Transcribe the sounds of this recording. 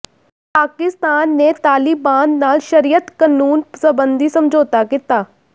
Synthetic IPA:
paːkɪst̪aːnːeːt̪aːlɪbaːnːaːlʃəɾijət̪kanuːnsəbənd̪iːsəmd͡ʒoːt̪aːkɪt̪aː

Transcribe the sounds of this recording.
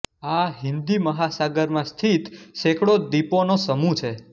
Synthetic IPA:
aɦɪnd̪iməɦasaɡəɾmãst̪ʰit̪ʃekɽod̪iponosəmũt͡ʃʰe

